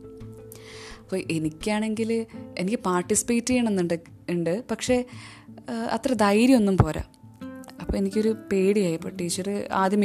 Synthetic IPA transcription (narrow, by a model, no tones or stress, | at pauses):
ɐpːoːʔe̞nikʲːaːɳe̞ŋɡile̞̰nikʲːɨpaːrʈisi̥peːtːɨjaːɳenːɨɳɖ | ɳɖɨpɐkʂe̞ | ɐ̰t̪ːrɐd̪ɐjɾimo̞nːumpo̞ːɾa̰ | ɐpːoːenikʲːoɾupe̞ːɽijaːjipːoːʈːiːt͡ɕːɐrɨa̰ːd̪ʱjɐmɐ